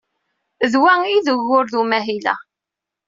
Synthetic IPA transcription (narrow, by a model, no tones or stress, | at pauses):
ðwæiðəɣːʊɾðumæɦilæ̰